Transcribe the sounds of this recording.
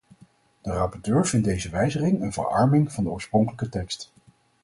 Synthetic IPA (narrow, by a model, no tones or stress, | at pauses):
d̥ərɑpɔɹtøːɹv̥ɪntdejzəʋɛjzəχɪŋənvə̰ɹɑ̰ɹmɪŋv̥ɑndəɔːɹsproŋkələkətɛkst